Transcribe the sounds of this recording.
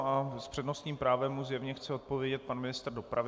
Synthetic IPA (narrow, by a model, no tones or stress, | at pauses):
aspr̝̥ɛdno̞st̪ɲiːmpɾaːvɛmuzjɛvɲɛxt͡sɛo̞t̪̚po̞vjɛɟɛt̪̚panmɪnɪst̪r̩do̞pɾavɪ